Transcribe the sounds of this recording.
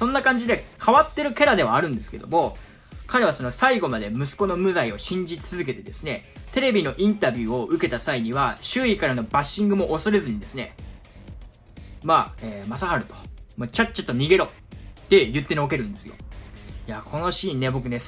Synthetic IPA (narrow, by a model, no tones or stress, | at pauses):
sõ̞nːakãɲ̟d͡ʑid̪e̞kʰaβat̪ːe̞ɾɯ̟kʲe̞ɾad̪e̞βaːɾɯ̟̃nd̪e̞sɨ̥ke̞d̪o̞̰mo̞ | kaɾe̞β̞aso̞no̞saiɡo̞mad̪e̞mɯ̟sɨ̥ko̞no̞mɯ̟zaio̞ɕĩɲ̟d͡ʑit͡sɨzɨk̬e̞t̪e̞d̪e̞sɨne̞t̪e̞ɾe̞bʲino̞ʔĩnt̪abʲɨːo̞ɯ̟ke̞t̪asaiɲ̟iβaɕɨːikaɾano̞baɕːĩŋɡɯ̟mo̞ʔːso̞ɾe̞zɨɲ̟id̪e̞sɨne̞̰ | maeːmasahaɾɯ̟t̪o̥mot͡ɕat͡ɕːḁt̪ːoɲ̟iɡe̞ɾo̞ | d̪̥e̞jɯ̟t̪ːe̞ɲiok̬e̞ɾɯ̟̃nd̪e̞sɨjo̰jakʰo̞no̞ɕiːnːe̞bo̞kɯ̟ne̞